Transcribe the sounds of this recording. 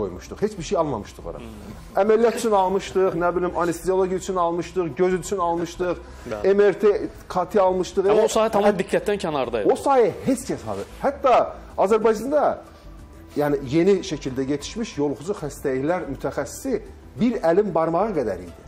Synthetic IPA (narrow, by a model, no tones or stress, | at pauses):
o̰jmuʃt̪uχhe̞t͡ʃbiɾʃejɑlˠmɑ̰mɯʃt̪ɯʁo̰ɾɑ̰ | æmælijɑt̪ʰyt͡ʃʰynɑlˠmɯʃt̪ɯʁnæbilʲimɑnist̪io̞lˠoɟiyt͡ʃʰynɑlˠmɯʃt̪ɯχɟøzyyt͡ʃʰynɑlˠmɯʃt̪ɯχ | emeɾt̪ʰe | kʰɑt̪ʰiɑlˠmɯʃt̪ɯʁeossɑːht̪ʰɑmɑd̪ikʰːæt̪̚d̪æncʰænɑɾd̪ɑosɑːɦijæhe̞t͡ʃcʰæshɑ̰d̪ɯhæt̪ːɑː | zæɾbɑjd͡ʒɑnd̪ɑ | jæːnije̞niʃæcʰild̪æɟe̞t̪ʰi̥ʃmiʃjo̞lˠχud͡ʒuhæst̪æliçlæɾmyt̪ʰæxæsːi̥si | biɾælimbɑɾmɑʁɑɡæd̪æ̰ɾḭjd̪i